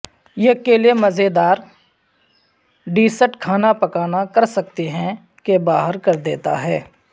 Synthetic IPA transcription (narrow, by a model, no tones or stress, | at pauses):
jeɐkeːliemɐzed̪aːɾ | ɖiːsəʈkʰaːnapɐkaːnakɐɾsɐk̚t̪iɦɛ̃ | kebaːɦəɾkɐɾd̪eːt̪a̰ɦɛː